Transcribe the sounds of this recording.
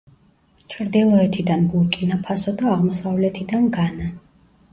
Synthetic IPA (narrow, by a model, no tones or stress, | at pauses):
t͡ʃʰɾd̪ilˠɔɛt̪ʰid̪anbulˠkʼinapʰasɔd̪aːʁmɔsavlɛt̪ʰid̪anɡana